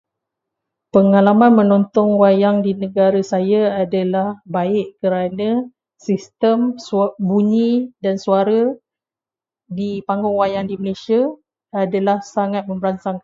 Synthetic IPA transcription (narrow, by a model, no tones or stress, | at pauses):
pəŋalamãnmə̃nɔnt̪ɔŋwajaŋdinə̃ɡaɾasajaadalahbaɪʔkəɾanã | sist̪əmsbuɲĩdansuaɾa | dipaŋɡɔŋwajaŋdiməlesiaː | dalahsaŋat̪̚mə̃mbəɾansaŋk